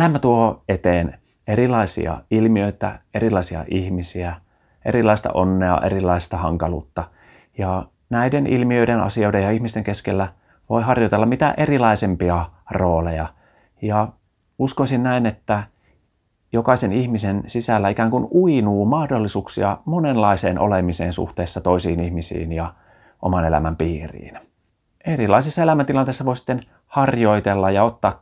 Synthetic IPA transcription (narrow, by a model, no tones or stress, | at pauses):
læmːæt̪uohoet̪eːn | erilɑisḭɑ̰ilmiøit̪æ̰erilːɑisiɑ̰ʔihmisiæ | ʔḛɾilɑist̪ɑ̰ʔonːeɑ̰ʔḛrilˑɑist̪ɑhɑŋkɑlṵːt̪ːɑ | jɑ | næidenḭlmiøidenɑ̰sioidejɑihmist̪eŋkeskelːæ | ʋo̰iɦɑrjot̪elːɑmit̪æ̰ʔerilɑisempiɑro̞ːlejɑ | jɑ | uskoisinnæinet̪ːæ | jokɑisenihmisensisælːæikæːŋkunuinuːmɑhdolːisuːksḭɑmonenlɑiseːnʔo̰lemisḛːnsṵht̪eːsːɑt̪o̞isiːnihmisḭːnjɑ | ʔomɑnelæ̰mæmpiːrḭːn | eɾilɑisesːɑelæmænt̪ilɑnt̪eːsːɑʋoisi̥t̪ːen | hɑrjo̞it̪elːɑjɑot̪ːɑːk